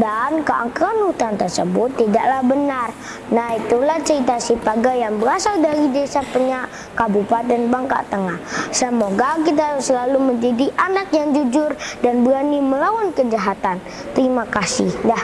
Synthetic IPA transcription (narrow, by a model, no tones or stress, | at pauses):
dankaʔa̰kəanut̪ant̪ərsəbʊt̪ːida̰ʔlahbənar | nahit̪ulaht͡ʃəɾit̪asipaɡajaŋbəɾasaldaɾidesapəɲaʔ | kabupat̪̚danbaŋka̰ʔt̪əŋahsəmoɡakit̪̬asəlaluməɲd͡ʒadiʔanak̚jaŋd͡ʒud͡ʒʊrdanbəɾaniməlawankəd͡ʒaɦat̪an | t̪əɾimakasɪ̰hdah